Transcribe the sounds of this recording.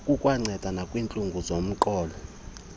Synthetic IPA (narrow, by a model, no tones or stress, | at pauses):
kʼukʼwaŋ͡ǀʱɛd̥ʱanakʼwint͡ɬʼuŋɡʱuzom̩ǃʼɔːlɔ